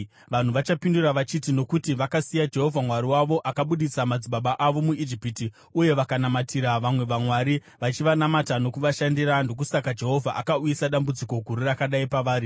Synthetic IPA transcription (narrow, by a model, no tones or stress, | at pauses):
ʋan̤uʋat͡ʃapinduraʋat͡ʃitino̞kutiʋakasijad͡ʒe̞ɦo̞vʱamwaɾiwaʋo̞ʔakaɓuɗit͡samad͡ziɓaɓaʔaʋo̞muid͡ʒipiti | uje̞ʋakanamatʰiɾaʋamwe̞ʋamwaɾi | ʋat͡ʃiʋanamatano̞kuʋaʃandiɾando̞k̬usakad͡ʒe̞ɦo̞vʱaʔakauisaɗambud͡ziko̞ɡʱuɾirakaɗaipaʋaːɾi